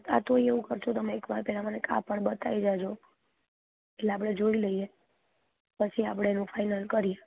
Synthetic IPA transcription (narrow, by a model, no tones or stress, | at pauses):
t̪a̰t̪oieʋũkəɾt͡ʃʰot̪əmeːkʋaɾpɛɭamaneka̰pəɳbət̪aid͡ʒad͡ʒʰo | eleapɽ̃ed͡ʒoiləije | pət͡ʃʰiapɽ̃eːnũfʰajnəlkəɾije